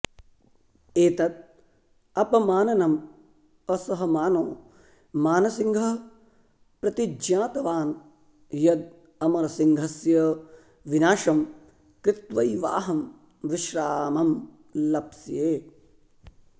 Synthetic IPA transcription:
eːt̪ɐt̪̚ | ɐpɐmaːnɐnɐm | ɐsɐɦɐmaːnoː | maːnɐsiŋɡʱɐ | pɾɐt̪id͡ʒjaːt̪ɐʋaːn | jɐd̪̚ | ɐmɐɾɐsiŋɡʱɐsjɐ | ʋinaːʃɐm | kɾɪt̪ʋɐjʋa̰ːɦɐm | ʋɪʃɾaːmɐm | lɐbsjeː

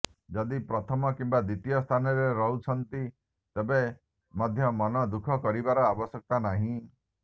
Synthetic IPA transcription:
d͡ʒɔd̪ipɾɔt̪ʰɔmɔkimbad̪it̪ijɔst̪ʰanɔɾeɾɔɦut͡ʃʰɔnt̪i | t̪ebe | mɔd̪ʱjɔmɔnɔd̪ukʰɔkɔɾibaɾɔabɔsjɔk̚t̪anaɦĩ

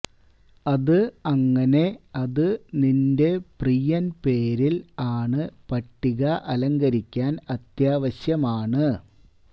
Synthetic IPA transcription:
ɐðɨɐŋːɐne̞ɐðɨninde̞prijɐnpe̞ːɾilaːɳɨpɐʈːiɣɐʔɐlɐŋɡɐɾikʲːaːnɐt̪jaːʋɐɕjɐmaːɳɨ

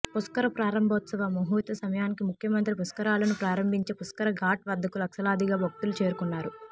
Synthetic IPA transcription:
puskɐɾɐpɾaːɾɐmbʱɐːt̪sɐʋamoɦuːt̪ɐsɐmɐjaːnikimukʰjɐmɐnt̪ɾipuskɐɾaːlɐnupɾaːɾɐmbʱiɲt͡ʃepuskɐɾɐɡaːʈʋɐd̪ːɐkulɐkʃɐlaːd̪iɡaːbʱok̚ʈulut͡ʃeːɾukunːaːɾu

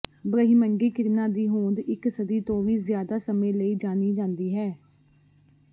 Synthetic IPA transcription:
bɾəɦiməŋɡiːkɪɾnaːd̪iːɦoːd̪ɪksəd̪iːt̪õːʋiːzɪjaːd̪aːsəmẽːləiːd͡ʒaːniːd͡ʒãːnd̪iːɦɛː

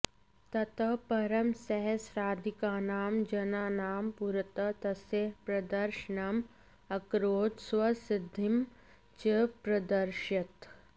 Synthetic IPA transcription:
t̪ɐt̪ɐpɐɾɐmsɐɦɐsɾaːd̪ʱikaːnaːmd͡ʒɐnaːnaːmpuɾət̪ɐt̪ɐseɦpɾɐd̪ɐɾʃənam | ɐkɾoːt̪swɐsɪd̪ʱɪm | t͡ʃɐpɾɐd̪ɐɾʃɐt̪

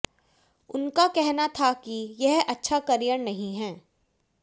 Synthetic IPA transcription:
ʊnkakɛɦnat̪ʰakijɛɦɐtːʃʰakɐɾijəɽnɐɦĩɦɛː

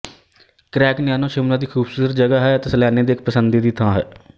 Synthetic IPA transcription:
kɾɛːknɪjaːnõːʃɪmlãːd̪iːkʰuːbsuːɾət̪d͡ʒəɡaːɦɛːt̪eːsəlaːneːd̪eːɪk̚pəsənd̪iːd̪iːt̪ʰãːɦɛ̰ː

